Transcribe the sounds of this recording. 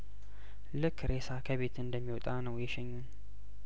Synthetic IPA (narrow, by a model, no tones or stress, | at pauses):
lɨkʰːɾe̞sakʰəβe̞t̪ɨnd̪əmːiwɔt̪ʼanəwjɛʃɛɲːun